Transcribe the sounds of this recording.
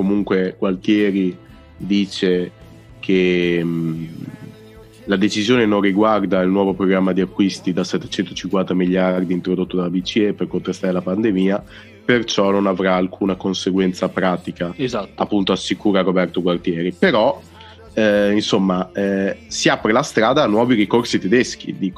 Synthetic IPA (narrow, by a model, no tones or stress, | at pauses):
komuŋkweɡ̥wart̪jɛːɾi | d̪iːt͡ʃe | kʰe | lad̪et͡ʃizjoːnenõnriɡward̪ailnwɔːvopɾoɡɾamːad̪iakːwist̪id̪asɛt̪ːe̥t͡ʃɛnt̪ot͡ʃiŋkwant̪amiʎjard̪iːnt̪ɾod̪ot̪ːod̪alabit͡ʃiepːerkont̪ɾest̪aɾelapand̪emiːa | pert͡ʃɔnonavɾaːlkʰuːnakonseɡwɛnt̪sapɾaːt̪ikazaapːunt̪oasːikuːɾaɾobɛrt̪oɡwart̪jɛːɾipeɾɔ | ɛinsomːaɛsiapɾelast̪ɾaːd̪aːnwɔːviɾikorsit̪ed̪ɛsk̟ḭd̪iːko